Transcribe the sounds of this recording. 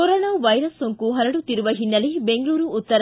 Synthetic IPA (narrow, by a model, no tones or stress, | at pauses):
oɾoːnaːʋɐjɾɐsːoŋkuɦɐɾɐɽut̪iɾuʋɐɦinːɐlebeŋɡɐɭuːɾuːt̪ːɐɾ